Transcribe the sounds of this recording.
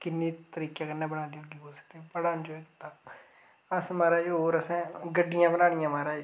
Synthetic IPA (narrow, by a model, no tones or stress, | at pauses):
kɪnːiːt̪əɾiːkjaːkənːɛ̃ːbəɽaːd̪iɦõːɡiːɦoːsə̥k̚d̪eɛ̃pəɽaːnd͡ʒoːɛːkɪt̪aː | əsmaːɾaːd͡ʒɦoːɾəsɛ̃ːɡəɖːɪjãːbənaːɽ̃ɪjãːmaːɾaː